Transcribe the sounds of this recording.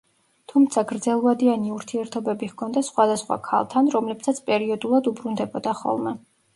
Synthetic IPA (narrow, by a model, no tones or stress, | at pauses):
t̪ʰumt̪sʰaɡɾd̪zɛlˠuvad̪ianiuɾt̪ʰiɛɾt̪ʰɔbɛbiɣkʰɔnd̪asχwad̪asχwa̰kʰa̰lˠt̪ʰanɾɔmlɛbsat̪sʰpʼɛɾiɔd̪ulˠad̪ubɾund̪ɛbɔd̪aχɔ̰lˠmɛ